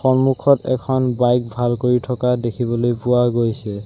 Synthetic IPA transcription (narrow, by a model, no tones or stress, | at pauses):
xɔmukʰɔtɛ̰kʰɔnbajk̚bʱalkoɹitʰɔkadekʰibɔlojpʊwaɡojsɛ